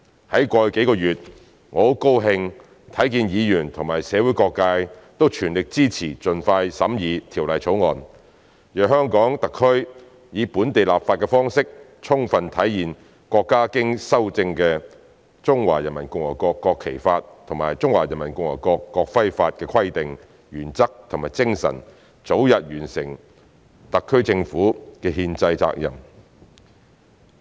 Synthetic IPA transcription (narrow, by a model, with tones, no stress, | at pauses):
hɐ˨˥jkʷɔː˧jke˨˥jkɔː˧jyː˨t̚ | ŋɔː˨˧˥ko˥wɦɪ˧ŋ | t̪ʰɐ˨˥jkiː˧njiː˨˧jyː˨˩nt̪ʰʊ˨˩ŋmaː˨˩jsɛː˨˧wu˨˥jkɔː˧kːaː˧jt̪o˥wt͡ʃʰyː˨˩nlɪ˨k̚t͡siː˥t͡sʰiː˨˩t͡ʃɵ˨nfaː˧jsɐ̰˨˥mjiː˨˧t̪ʰiː˨˩wlɐ˨˩jt͡sʰo˨˥wŋɔː˨n | jœː˨˩ɦœː˥ŋkɔː˨˥ŋt̪ɐ˨kʰːɵ˥ɥ | jiː˨˧puː˨˥nt̪e˨jla̰ː˨p̚faː˧t̚kɛː˧fɔː˥ŋsɪ˥k̚ | t͡ʃʰʊ˥ŋfɐ˨nt̪ʰɐ˨˥jjiː˨˩n | kʷɔː˧kːaː˥kɪ˥ŋsɐ˥wt͡sɪ˧ŋkɛː˧ | t͡sʊ˥ŋwaː˨˩jɐ˨˩nmɐ˨˩nkʊ˨ŋwɔ̰ː˨˩jkɔː˧kːɔː˧kʰːe˨˩jfaː˧t̚t̪ʰʊ˨˩ŋmaː˨˩jt͡sʊ˥ŋwaː˨˩jɐ˨˩nmɐ˨˩nkʊ˧ŋ̚wɔ̰ː˨˩kɔː˧kːɔː˧k̚fɐ˥jfaː˧t̚kɛː˧kʰɐ˥jt̪ɪ˨ŋ | jyː˨˩nt͡sɐ˥k̚t̪ʰʊ˨˩ŋmaː˨˩jt͡sɪ˥ŋsɐ̰˨˩n | t͡so˨˥wjɐ˨t̚ɥyː˨˩nsɪ˨˩ŋ | t̪ɐ˨kʰːɵ˥ɥt͡sɪ˧ŋfuː˨˥kɛː˧ɦiː˧nt͡sɐ˧jt͡sa̰ː˧k̚jɐ̰˨˩m